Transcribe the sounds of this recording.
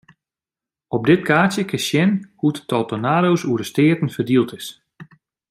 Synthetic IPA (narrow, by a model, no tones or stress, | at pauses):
ɔb̚dɪtkʰaːtjəkɪsjɪnhutə̥tʰɔlˠtənaːɾowsuədəstɪːtn̩fərdilˠtɪs